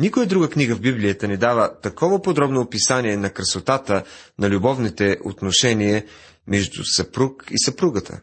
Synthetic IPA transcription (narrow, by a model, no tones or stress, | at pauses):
nikʊjəd̪ɾuɡəkniɡəvbiblijət̪ənɛd̪avət̪ɐkɔvəpod̪ɾɔbnopisaniɛnɐkɾɐsot̪at̪ə | nɐlʲubɔvnit̪ɛʔo̰t̪noʃɛniə | mɛʒd̪ṵsɐpɾukisɐpɾuɡət̪ʰə̰